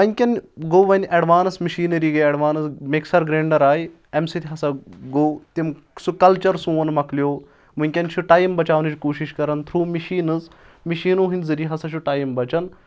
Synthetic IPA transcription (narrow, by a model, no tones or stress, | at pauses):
ɐnʲkʲɐnɡoːʋɐnʲʔɐɖʋaːnɐsmiʃiːnɐɾiːɡɐɐɖʋaːnɐsmeksɐɾɡɾeːɳɖɐɾaːj | emsit̪ʰiɦɐsɐɡoːt̪im | sukɐlt͡ʃɐɾsũːɐnmɐklijoː | munʲkʲɐnt͡ʃʰuʈaːjmbɐt͡ʃaːʋnɨd͡ʒkoːʃiʃkɐɾɐnt̪ʰɾuːmiʃiːnɨz | miʃiːnoːɦind̪zɐɾiɦɐsɐʃʰuʈaːjmbɐt͡ʃɐn